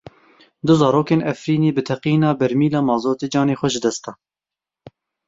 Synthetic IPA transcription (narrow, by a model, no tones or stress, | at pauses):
d̪ʊzɑːɾoːkeːnɛfɾiːneːbɨt̪ʰɛqiːnɑːbɛɾmiːlɑːmɑːzoːt̪eːd͡ʒɑːneːxʷɛʒɨd̪ɛst̪ɛ